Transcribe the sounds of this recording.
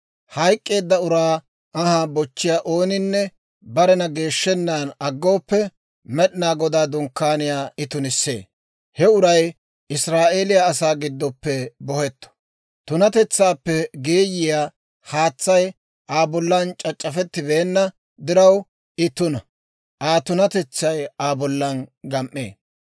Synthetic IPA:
hɐjkʼːe̞ːd̪ːɐʊɾaː | ɐhaːbɔt͡ʃːɪjaːʔo̞ːnɪnːɛ | bɐɾɛnɐɡe̞ːʃːɛnːaːnɐɡːo̞ːpːɛ | mɛɗɪnaːɡɔd̪aːd̪ʊŋkːaːnɪjaːɪt̪ʊnɪsːḛː | hɛʊɾɐj | ɪsɾaːʔe̞ːlɪjaːsaːɡɪd̪ːɔpːɛbɔhɛt̪ːɔ̥ | t̪ʊnɐt̪ɛt͡sːaːpːɛɡeːjɪjaː | haːt͡sːɐj | ʔaːbɔlːɐnt͡ʃʼɐt͡ʃʼːɐfɛt̪ːɪbe̞ːnːɐ | d̪ɪɾɐw | ɪt̪ːʊnɐ | ʔaːt̪ʊnɐt̪ɛt͡sːɐjaːbɔlːɐnɡɐmʔːḛː

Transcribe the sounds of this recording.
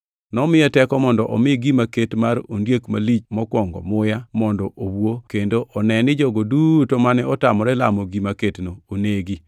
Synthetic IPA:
nɔmɪɛtɛkɔmɔndɔʔɔmɪɡimaketmaɾondjekma̰lit͡ʃmɔkwɔŋɡɔ̰mʊjamɔndɔʔowokendoʔɔnɛnɪd͡ʒɔɡodutomanɛɔtamɔɾɛlamoɡimaketnoːneɡi

